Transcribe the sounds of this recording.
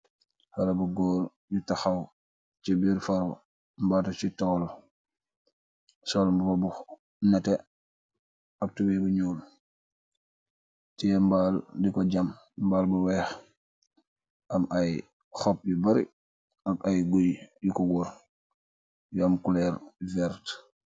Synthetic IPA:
hɐlɐbuɡɔːɾ | jutɐxɐw | t͡ʃibiɾfɐɾo | mbatɐt͡ʃitɔːl | sɔlmbuɾɔbu | nɛtɛ | ɐp̚tuwɛbuɲuːl | timbaldikɔɟɐm | mbaːlbuwɛːx | ʔɐmaj | xɔp̚jubɐɾḭ | ɐkɐjɡujjukɔɡuɾ | juɐmkulɛːɾvɛɾt

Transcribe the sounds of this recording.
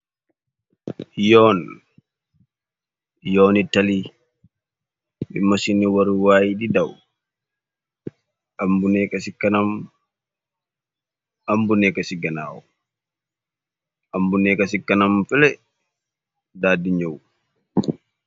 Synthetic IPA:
jɔːn | jɔːnitːɐli | ḭmːasiniwaɾuwaːjididaw | ambunɛkasikːɐnam | ambunɛkasiɡɐna̰ːwɔ | ambunɛkɐsikːɐnamfɛlɛ | daːdiɲow

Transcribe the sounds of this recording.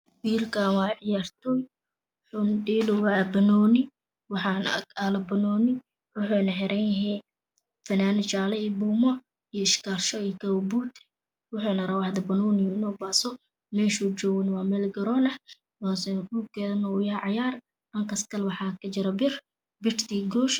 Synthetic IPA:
wiːrkʰaːnwɑːʕɪjaːrt̪ʰɔːj | wwħʊnɖiːlʊwaːbɐnɔːnɪ | wɑħɑːn̰alɐbɐnɔːnɪ | wʊħuːnɐħɛɾʔɛːnjɐɦɛ | fɐnaːnɪt͡ʃaːlɛibuːmɔ | ijɔɪʃkʰaːlʃɔijkɐwbuːt̪ | wʊħʊnɐɾɐwahd̪ɐbɐnɔːnɪjɪnɔːbaːsɔ | mɛːʃut͡ʃɔːɣɐnɪwɑːmɛːlɡɐɾɔːnɐ | ɔsɛnuɡɛðɐnɔwʊjɐʕɑjaːr | ʔɐŋkʰɐskʰɐlwɑħɑːkʰɐt͡ʃɪɾɐbɪr | bɪrt̪ʰiːɡɔːʃ

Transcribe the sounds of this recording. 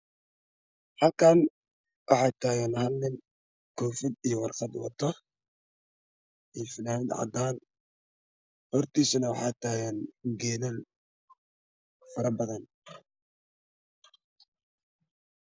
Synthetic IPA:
hɐlkʰaːn | wʔɑħɑt̪ʰaːɣɛnhɐlnɪn | kʰɔːfɪd̪ijɞwɑrqɑd̪wɑ̰t̪ʰːɔ | ijfɪnaːnɪd̪ʕɑ̰d̪aːn | hɔrt̪ʰiːsɐnɐwɑħɑːt̪ʰaːɣɛnɡɛːnɐl | fɐɾɐbɐðɐn

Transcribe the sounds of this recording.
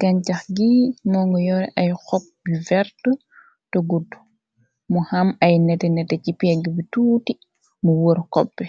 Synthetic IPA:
ɡaɲt͡ʃaxɡimɔːŋɡɔjɔɾɛʔajxɔk̚bivɛɾtɔ | tɔɡodːu̥ | mɔhamajnɛtɛnɛtɛcipiaɡibituːti | mɔwoɾkɔpːɛ

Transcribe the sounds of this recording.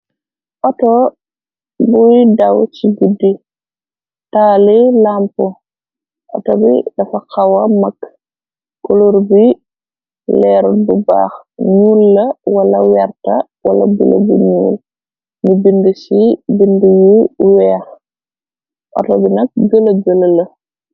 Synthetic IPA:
ʔɔtɔ | buidɐwt͡ʃiɡudi | taːlilampɔ | ʔɔ̰tɔbḭdɐfɐkawɐmɐkː | kɔluɾbi | lɛːɾububa̰ːx | ɲuːlːɐwɐlɐwɛrtɐ | wɐlɐ̰bṵlɐ̰buɲuːl | mubindusibindujuwɛːɾ | ʔɔ̰tɔbinɐk̚ɡəlɐɡəlɐlɐ

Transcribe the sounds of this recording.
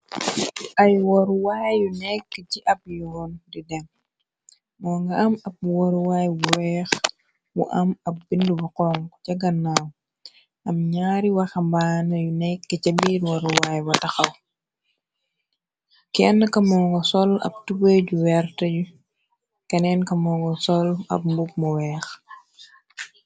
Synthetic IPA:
ʔɐjwɔɾuwajjunɛkːəciʔɐp̚jɔːndidɛŋ | mɔːŋɡɐɐmɐp̚woɾuwaːjbuɾɛːx | mṵʔɐmɐp̚bindubɐqɔŋkcɐɡɐnːaw | ʔɐmɲaːɾiwɐxɐmbanɐjunɛkːɐcɐbiɾwɔɾuwajbɐtɐxɐw | kɛnːɐkɐmɔːŋɡɔsɔlɐ̰b̚tubəɟuwɛɾtɐɟu | kɐnɛnkɐmɔːŋɡɔsɔlɐ̰p̚mbuɡ̚mɔwɛːx

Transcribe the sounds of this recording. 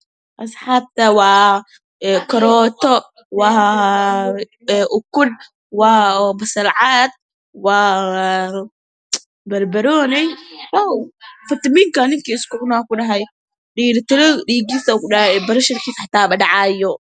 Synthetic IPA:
ʔɐsħaːb̚t̪ʰɐwɑː | kʰɐɾɔːt̪ɔ | wɑː | ʔʊkʊl | waːbɐsɐlʕaːd̪̚ | waː | bɐrbɐɾɔːnɛjwaːfɐt̪ɐmiŋkɐnɪŋkʰiːɪskʊʕnaːkʊɖɐɦɛj | ɖiːɾt̪ɪlɔɖiːɡiːsɐkʊbɐɾɐʃɪrkʰiːsħat̪ʰaːbɐɖɑʕɑːjɔ

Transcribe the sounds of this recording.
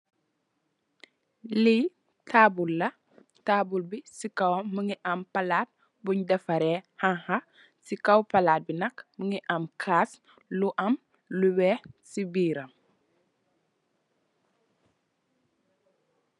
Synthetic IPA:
li | tʰaːbulːɐ | taːbulbisikɐwɐmːəŋiʔɐmpɐlaːt̚ | buɲdɐfɐɾɛhaŋhɐ | sikɐwpɐlaːt̚binɐkməŋiʔɐmkʰaːs | luʔɐm | luwɛːsibiːɾɐm

